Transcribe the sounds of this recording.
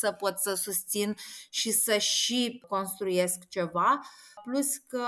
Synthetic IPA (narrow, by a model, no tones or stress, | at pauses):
səpot̪səsust̪sinʃisəʃiko̞nst̪ɾuje̞skt͡ʃe̞vapluskə